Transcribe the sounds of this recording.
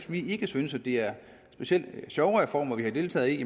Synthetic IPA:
smie̝ɡ̥əsynəsæd̥e̝æɐ | sb̥e̝ɕiel̰d̥ɕɒʊfɒ̰ːmɐʋihɑ̈d̥e̝ːlt͡sʰɛ̰ːð̩ˠi

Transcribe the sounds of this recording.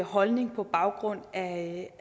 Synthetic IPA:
ɦɒ̽lne̝ŋpʰɒ̽b̥ɑ̈ʊɡ̥ʁɔ̽n̰æ

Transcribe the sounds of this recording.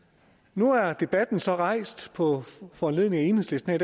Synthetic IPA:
nuæɐd̥e̝b̥æd̥n̩sɒ̽ʁɑ̈ɪ̰sd̥pʰɒ̽fɒːnle̝ð̰ˠneŋæe̝ːnhesle̝sd̥n̩æd

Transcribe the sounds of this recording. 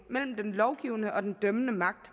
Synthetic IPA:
mel̰m̩d̥enlɒʊɡ̥iʊnəʔɒ̽d̥end̥œmənəmɑ̈ɡ̥̚d̥

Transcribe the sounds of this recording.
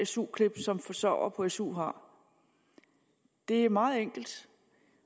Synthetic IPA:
esṵːkʰle̝b̥sɒ̽mfɒ̽sɒʊ̰ɐpʰɒ̽esṵːɦɑ̈ | d̥e̝æɐmɑ̈ːð̩ˠeŋ̰ɡ̥l̩d̥

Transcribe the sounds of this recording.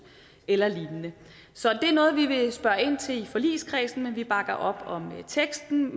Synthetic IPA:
elɐliːnənə | sɒ̽d̥e̝æɐnɔ̽ːð̞̩ˠʋiʋe̝sb̥ɶːɐe̝n̰t͡sʰe̝lifɒ̽lḭːskʰʁɛːsn̩menʋib̥ɑ̈ɡ̥ɐʔɒ̽b̥ɒ̽mt͡sʰeɡ̥sd̥n̩

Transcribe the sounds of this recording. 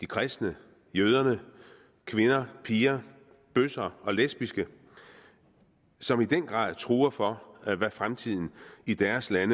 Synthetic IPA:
d̥ikʰʁɛsd̥nə | jøːð̞ˠɐnə | kʰʋe̝nɐpʰiːɐ | b̥øsɐɒ̽lesb̥isɡ̥ə | sɒ̽mid̥enɡ̥ʁɑ̰̈ːðˠt͡sʰʁuːɐfɒ̽æʋæfʁamt͡sʰið̞̰ˠn̩id̥æɐslænə

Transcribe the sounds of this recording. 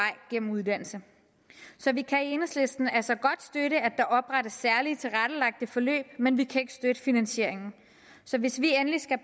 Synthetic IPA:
ɑ̈ɪ̰ɡ̥en̰m̩uðˠd̥æn̰l̩sə | sɒ̽ʋikʰæienəsle̝sd̥n̩ælsɒ̽ɡ̥ɒ̽d̥sd̥øɾəæd̥ɑ̈ʔɒ̽b̥ʁad̥əsːæɐlit͡sʰe̝lʁad̥əlɑ̈ɡ̥̚d̥əfɒ̽lø̰ːb̥menʋikʰæe̝ɡ̥ə̥sd̥ød̥əfinænɕe̝̰ɐ̰e̝ŋn̩ | sɒ̽ʋe̝sʋienlisɡ̥æ

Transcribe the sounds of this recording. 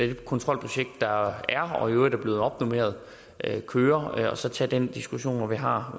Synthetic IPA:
ekʰɔ̽nt͡sʰʁɒ̽l̰pʰʁoɕeɡ̥̚d̥ːɑ̈æɐɒød̥æb̥le̝ːð̩ˠɒ̽b̥nome̝̰ːɐð̞ˠ | kʰøːɐɒ̽sɒ̽t͡sʰɛ̰ːd̥end̥isɡ̥uɕo̝̰ːnɒʋiɦɑ̈ː

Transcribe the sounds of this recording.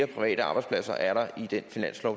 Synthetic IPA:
ɐpʰʁiʋɛ̰ːɾəɑ̈ːb̥ɑ̈ɪspʰlæsɐ̰ʔæɐɾɑ̈id̥enfinæn̰slɒʊ

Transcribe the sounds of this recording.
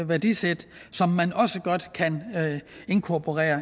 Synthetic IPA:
ʋæɐd̥ised̥sɒ̽mːænɒ̽səɡ̥ɒ̽d̥kʰæn | e̝nkʰɒpʰo̝ʁɛ̰ːɐ

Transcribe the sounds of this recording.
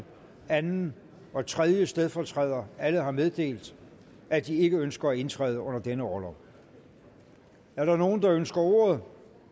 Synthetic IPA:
ænn̩ | ɒ̽t͡sʰʁɛðˠjəsd̥eð̞ˠfɒt͡sʰʁɛ̰ð̰ˠɐæləɦɑ̈með̞ˠd̥e̝̰ːld̥ | ʔæd̥ie̝ɡ̥əønsɡ̥ɐæe̝nt͡sʰʁɛ̰ːð̞ˠəɔ̽n̰ɐd̥enəɒlɐ | æɐɾ̥ɑ̈no̝ːn̩d̥ɑ̈ønsɡ̥ɐo̝̰ːɐð̞ˠ

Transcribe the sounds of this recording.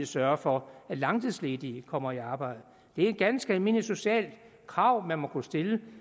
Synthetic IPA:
sɶɐfɒ̽ælɑ̈ŋt͡sʰiðˠsle̝ːd̥ikʰɒ̽m̰ɐiɑ̈ːb̥ɑ̈ɪ̰d̥̩ˠ | d̥e̝æɐed̚ɡ̥ænsɡ̥æme̝niso̝ɕɛ̰ːl̥ | kʰʁɑ̈ʊ̰mænmɒ̽kʰusd̥e̝lə

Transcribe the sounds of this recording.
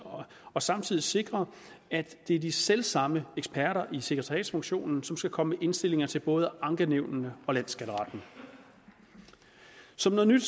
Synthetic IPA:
ɒ̽sɑ̈mt͡sʰið̞̰ˠise̝ɡ̥ʁɐ | æ̥d̥e̝æɐd̥iselsɑ̈məeɡ̥spʰæɐɾɐʔise̝ɡ̥ʁət͡sʰɑ̈jɛ̰ːd̥sfɔ̽ŋɕo̝̰ːnn̩sɒ̽msɡ̥ækʰɒ̽məmeʔe̝nsd̥e̝le̝ŋɐt͡sʰe̝lb̥ɔ̽ːð̞ˠəɑ̈ŋɡ̥əneʊnnəɒ̽læn̰sɡ̥æɾəʁɑ̰̈d̥nə | sɒ̽mnɔ̽ð̩ˠnyd̥

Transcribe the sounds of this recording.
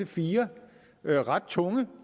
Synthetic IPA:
əfiːɐ | ʁɑ̈d̥̚t͡sʰɔ̽ŋə

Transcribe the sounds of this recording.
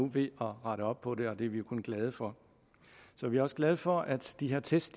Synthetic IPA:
uʋe̝ɒ̽ʁɑ̈ɾəɒ̽b̥̚pʰɒ̽ɾe̝ɒ̽d̥eæɐʋijo̝kʰonɡ̥lɛð̞ˠəfɒ̽ | sɒ̽ʋiæɐɒ̽səɡ̥lɛð̞ˠəfɒ̽ʔæd̥d̥iɦeɐt͡sʰesd̥

